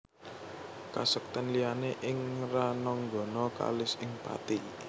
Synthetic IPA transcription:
kasək̚t̪ənlijaneʔɪŋranɔŋɡɔ̤nɔka̰lɪsɪŋpa̰t̪i

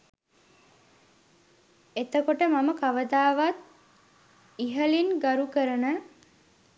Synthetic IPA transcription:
et̪əkoʈəmaməkaʋəd̪aːʋat̪̚ | iɦəlinɡaɾukəɾənə

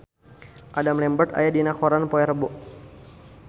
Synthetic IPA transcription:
ʔadamlɛmbət̪a̰jadinakɔɾanpɔɛɾəbʊʔ

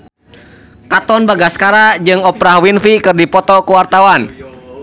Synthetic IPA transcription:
kat̪ɔnbaɡaskaɾad͡ʒɨŋɔpɾahwinfikɨrdipɔt̪ɔkuwart̪awan

